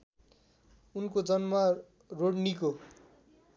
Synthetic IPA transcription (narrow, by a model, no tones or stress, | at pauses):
unkod͡zʌnma | roɽniko